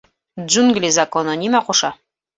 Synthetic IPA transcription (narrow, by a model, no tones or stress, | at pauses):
d͡ʒuŋɡlʲizɐkonɤnʲimæqoʃɑ